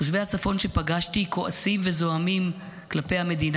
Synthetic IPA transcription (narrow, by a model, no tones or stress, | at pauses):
oʃvejhat͡safo̞nʃepaɡaʃtiko̞ʔasimve̞zo̞amim | klapejhame̞d̪in